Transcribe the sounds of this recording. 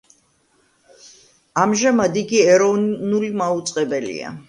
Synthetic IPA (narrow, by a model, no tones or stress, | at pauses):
amʒamad̪iɡiɛɾɔnulimaut̪sʼqʼɛbɛlḭa̰